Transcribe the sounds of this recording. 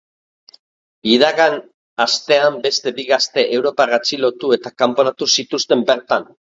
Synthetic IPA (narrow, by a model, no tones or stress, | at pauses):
iðaɣan | ast̪e̞ambe̞st̪e̞biɣast̪e̞ʔewɾo̞parat͡silo̞t̪ue̞t̪akampo̞nat̪usit̪ust̪e̞mbe̞ɾt̪an